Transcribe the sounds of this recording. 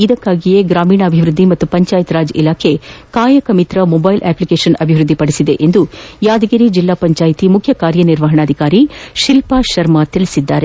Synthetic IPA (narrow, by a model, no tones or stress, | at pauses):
id̪ɐkːaːɡijeɡɾaːmiːɳɐːbʱiʋɾud̪ːimɐt̪ːupɐɲt͡ʃaːjit̪ɾaːd͡ʒḭlaːkʰe̞kaːjɐkɐmit̪ɾɐmɔbɐjlʔɛːplikeːʃɐnɐbʱiʋɾud̪ʱːipɐɽisid̪e̞ʔend̪ujaːd̪ɐɡiɾid͡ʒilːaːpɐɲt͡ʃaːjit̪imukʰjɐkaːɾjɐniɾʋɐɦɐɳaːd̪ʱikaːɾiʃilpaːʃɐɾmat̪iɭisid̪ːaːɾe̞